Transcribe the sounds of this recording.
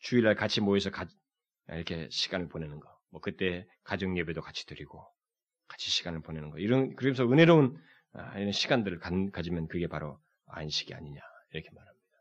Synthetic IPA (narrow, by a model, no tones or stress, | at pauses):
t͡ɕuiɭːaɭkat͡ɕʰimoesʰʌka̰ | iɾʌkʰe̞ɕʰi̥ɡ̥anɯɭpone̞nɯnɡʌmwʌkɯt͈e̞ | kad͡ʑʌŋjebedokat͡ɕʰi̥tɯɾiɡ̥o | kḁt͡ɕʰiɕʰi̥ɡ̥anɯɭponenɯnɡʌ̰iɾʌnkɯɾʌmeʌnsʰʌɯne̞ɾoun | a̰iɾʌnɕʰiɡandɯɾɯɭkakad͡ʑimjʌnkɯɡe̞paɾo | a̰nɕʰi̥ɡ̥ia̰ɲiɲa | iɾʌkʰe̞maɾɦamɲid̥a